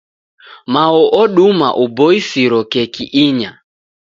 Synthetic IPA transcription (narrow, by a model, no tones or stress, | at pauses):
maɔʔɔɗuma̰ʔubɔisiɾɔkɛkiʔiɲa